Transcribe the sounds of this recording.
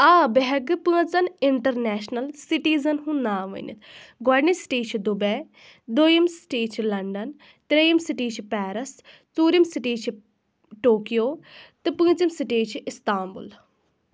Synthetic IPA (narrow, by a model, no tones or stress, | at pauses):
aːbeɦɐɡɨpɨ̃ŋt͡sɐnɪɳʈɐɾnɛːʃnɐlsiʈiːzɐnɦũnaːʋɐ̰nḭt̪ʰɡɔːɖnisʈiːt͡ʃʰid̪ubej | d̪ojimsʈiːt͡ʃʰilɐɳɖɐn | t̪ɾejimsiʈiːt͡ʃʰipɛːɾɐs | t͡suːɾimsiʈiːt͡ʃʰi | ʈoːkijoːt̪ɨpɨ̃ŋt͡simsiʈiːt͡ʃʰiɪst̪aːmbṵl